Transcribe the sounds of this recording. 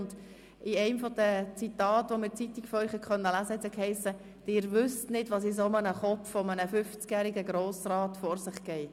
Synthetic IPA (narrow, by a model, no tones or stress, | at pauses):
nd̥ | ʔɪɛɪmfɔd̥ət͡sitɑːtʋɔmɪɾt͡sit̪ikfɔɾœʏχhɛkχœnːəlæːzəhɛt̪sɛkʰhɛɪsə | d̥ɪːɾʋʏstnɪdʋɑs̬is̬omənəχɔp͡ffɔmənəfʏft͡skjæːɾiɡəɡɾoːsrɑːtfɔɾsɪχkɛɪ